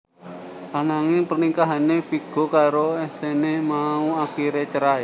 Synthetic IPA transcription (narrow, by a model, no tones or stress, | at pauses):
ʔanaŋepərnikaɦanefiɡ̥o̤kaɾoɛsenemauakiɾet͡ʃəɾaj